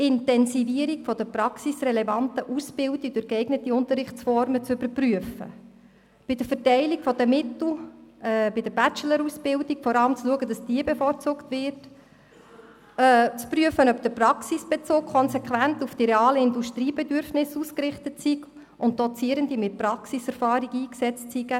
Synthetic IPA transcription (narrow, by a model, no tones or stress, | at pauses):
ɪntɛnsiviəɾikfɔd̥əpɾɑksisrɛlɛvɑntəʔusb̥ɪldik̚d̥ʊɾɡɛɪɡnətiʊnt̪əɾɪχt͡sfɔɾmət͡sʏbəɾpryəfə̰ | b̥ɪd̥əfəɾtɛɪlikfɔd̥əmɪtl̩ | bɪd̥əɾb̥æt͡ʃələɾusb̥ɪldikfɔɾɑləmt͡sluəɡədɑsd̥iːəbefoːɾt͡suːktvɪɾt | t͡spryəfənœpd̥̪əɾprɑksisb̥ɛt͡soːkkʰχɔnsɛkχʋæntufd̥iɾeɑːləɪnduʃtɾiːbɛdʏɾfnɪsuːskrɪχtətsiɡ | ʊnt̚d̥ɔt͡siəɾəndimɪt̚pɾɑksisɛɾfɑːɾiɡiːksɛt͡stsiɡə